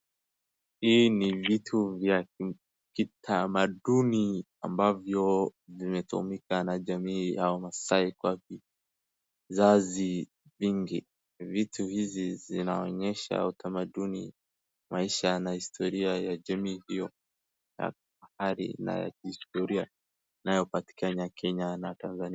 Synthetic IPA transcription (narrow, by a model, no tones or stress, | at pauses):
hinivitʰuvja | kitʰamaɗuni | ambavjɔvimɛtṵṵmikanaʄamiːaɔmasaikwavi | zazi | viŋɡḭ | vituhizizinaɔɲɛʃa̰utʰamaɗunḭ | mʔaiʃanahistʰɔɾiajaʄɛmihijɔ | ja̰ | ahaɾḭna̰ja̰kihistɔɾia | inajɔpati̥kanakʰɛɲanatanzania